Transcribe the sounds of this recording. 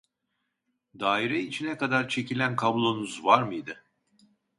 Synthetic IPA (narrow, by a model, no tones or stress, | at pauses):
d̪aːiɾɛit͡ʃʰinɛkad̪aɾt͡ʃʰe̞cʰilʲænkʰablˠo̞nuzvaɾmɯjd̪ɯ